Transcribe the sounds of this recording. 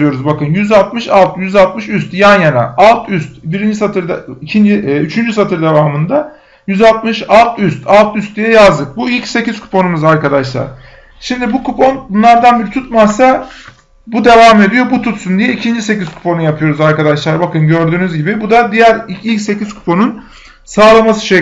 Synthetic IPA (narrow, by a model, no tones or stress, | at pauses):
ɯjo̞ɾuzbakɯnjyzalˠt̪mɯʃalˠt̪ʰjyzalˠt̪̚mɯʃyst̪janjana̰alˠt̪ʰyst̪biɾind͡ʒisat̪ʰɯɾd̪aicʰind͡ʒiyt͡ʃʰynd͡ʒysat̪ʰɯɾd̪e̞vaːmɯnd̪a | jyzalˠt̪mɯʃalˠt̪ʰyst̪ʰalˠt̪ʰyst̪̚d̪ijɛjazd̪ɯk̚builʲcse̞ciz̥kʰu̥pʰo̞numuzaɾkad̪aʃlˠa̰ɾ̥ | ʃimd̪ibukupʰo̞nbunlˠaɾd̪anbiɾt̪ʰut̪masa | bud̪e̞vaːme̞d̪ijo̞but̪ʰut̪sund̪ijɛicʰind͡ʒise̞ciz̥kʰu̥pʰo̞nujapʰɯjo̞ɾuzaɾkad̪aʃlˠaɾbakɯnɟø̞ɾd̪yːnyzɟibibud̪ad̪ijæɾiilʲcse̞cʰiz̥kʰu̥pʰo̞nun | saːlˠamasɯ̥ʃe